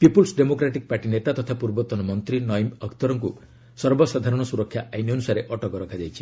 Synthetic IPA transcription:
pipulsɖemokɾaʈik̚paɾʈinet̪at̪ɔt̪ʰapuɾbɔt̪ɔnɔmɔnt̪ɾinɔjmɔkʰt̪ɔɾɔŋku | sɔɾbɔsad̪ʱaɾɔɽ̃ɔsuɾɔkʰːjaʔajniɔnusaɾeʔɔʈɔkɔɾɔkʰad͡ʒajt͡ʃʰi̥

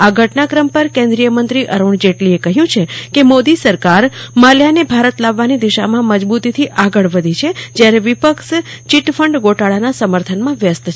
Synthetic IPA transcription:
aɡʱəʈnakɾəmpəɾkẽnd̪ɾijəmənt̪ɾiʔəɾuɳd͡ʒeʈliekəɦjũt͡ʃʰekemod̪isəɾkaɾmaljanebʱaɾət̪laʋːanid̪iʃamãməd͡ʒbut̪it̪ʰiʔaɡəɭʋəd̪ʱit͡ʃʰed͡ʒjaɾeʋipəkʃt͡ʃiʈfəɳɖɡoʈaɭanasəməɾt̪ʰənmãʋjəst̪t͡ʃʰ

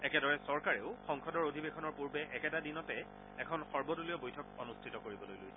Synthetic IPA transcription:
ɛkɛdɔɹɛsɔɹkaɹeʊxɔŋkʰɔdɔɹodʱibekʰɔnɔɹpuɹbɛʔɛkɛtadinɔtɛ | ɛkʰɔnxɔɹbɔtuliɔbojtʰɔkonustʰitɔkoɹibɔlojlojsɛ

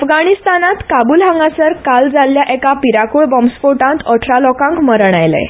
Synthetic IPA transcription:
fɡaɽist̪anat̪kabuːlɦãŋɡasəɾkald͡zalːjaʔɛkapiɾakuɭbɔmsfoʈãnt̪ɔʈʰlalɔkãŋkməɾəɳajlḛ

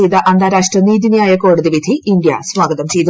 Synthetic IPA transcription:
ejt̪ɐʔɐnd̪ʱaːɾaːʂʈrɐniːðinjaːjɐko̞ːɽuðiʋid̪ʱiʔːnɖja̰sʋaːɡɐðɐmt͡ɕe̞jt̪u

